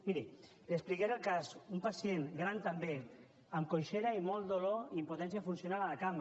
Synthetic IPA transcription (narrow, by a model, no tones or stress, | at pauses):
miɾi | d̪esplikeɾəlˠkazumpasienɡɾant̪ambe | əmkojʃeɾaimɔlˠd̪oloimpot̪ɛnsjafunsjonalalakam